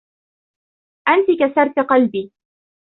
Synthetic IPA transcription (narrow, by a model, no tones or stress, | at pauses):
ʔant̪ɪkasɑɾˤt̪aqɑlbiː